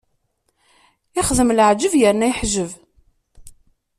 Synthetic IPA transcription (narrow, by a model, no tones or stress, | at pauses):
ɪχðəmləʕd͡ʒəvjəɾnæjħʒəv